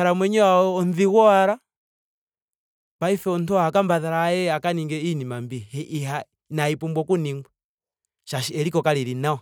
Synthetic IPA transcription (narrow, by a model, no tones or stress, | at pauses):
aɾamwɛɲɛwaɔːnðiɣɔaɾa | paifɛɔntɔhakambaðaɾaːjɛakaniŋɡɛinimambiɦa | naipumbɔkuniŋɡwɛ | ʃaʃiɛɾikɔkaliɾinaɔ